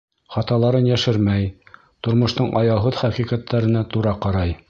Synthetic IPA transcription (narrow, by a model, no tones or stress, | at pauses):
χɑt̪ɑlˠɑɾɤnjæʃɘɾmæj | t̪ŏɾmŏʃt̪ɤɴʔɑjɑɦɤðχæqiqæt̪ːæɾɘ̆næt̪uɾɑqɑɾɑj